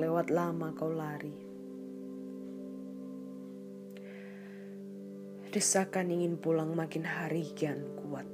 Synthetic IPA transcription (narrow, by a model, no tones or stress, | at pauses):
lewat̪̚lamakawlaɾi | d̥əsakaniŋɪnpulaŋmakɪnɦaɾiɡankuwat̪̚